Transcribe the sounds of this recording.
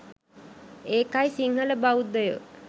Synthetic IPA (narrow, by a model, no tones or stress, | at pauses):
eːkajisiŋɦələbaud̪əjə̰